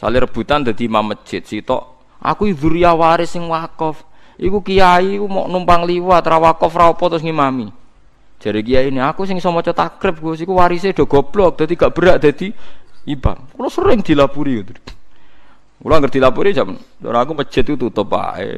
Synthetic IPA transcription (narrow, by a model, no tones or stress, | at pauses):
sa̰lɪɾəb̥ṳt̪and̪̥a̤d̪̥imamə̥t͡ʃɪt̪̚sit̪ɔ̰ʔ | ʔa̰kuiðuɾiawaɾɪsɪŋwakɔfikukijaikumɔ̰ʔnumpaŋliwat̪ɾawakɔfraɔpɔt̪ɾʊsŋimami̥ | d͡ʒ̥a̤ɾik̬ijainiakusɪŋsɔmɔt͡ʃɔt̪akɾɪp̚ɡuɔs̬ikuwaɾised̪̥o̤ɡ̥ɔ̤b̥lɔk̚d̪̥a̤d̪̥iɡaʔb̥əɾaʔd̪̥a̤d̪̥iipa̰nkulɔsəɾɪŋd̪̥i̤lapuɾikut̪u | kṵlɔŋɡərd̪̥i̤lapuɾid͡ʒamnt͡ʃɔ̰ɾaakumə̥t͡ʃɪt̪̚kut̪ut̪əpa̰ḛ